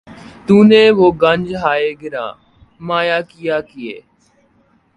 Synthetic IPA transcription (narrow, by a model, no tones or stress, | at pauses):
t̪uːnẽːʋoːɡəɲd͡ʒɦaːeːɡɪɾã̰ː | maːjaːkɪjaːkɪjḛː